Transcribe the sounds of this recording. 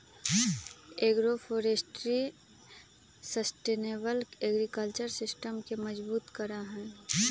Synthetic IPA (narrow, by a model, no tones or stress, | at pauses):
eɡɾofʰoːɾesʈɾi | səsʈeːnebəleːɡɾikəlt͡ʃəɾsɪsʈəmkeməd͡ʒbuːt̪kəɾaɦɛ̃ː